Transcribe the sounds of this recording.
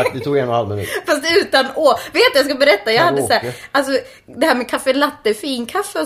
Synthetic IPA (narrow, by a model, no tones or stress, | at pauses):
d̪ɛt̪ʰuːɡɛnːɔnha̰lmɪnʉ̰ːfast̪ʉ̟ːt̪anoveːt̪t̪d̪jɑskabɛɾɛt̪ːajɑːɡhad̪ːəsæːɾalsɔ | d̪ɛhæːmɛkʰafːɛlat̪ːəfiːnkʰafːə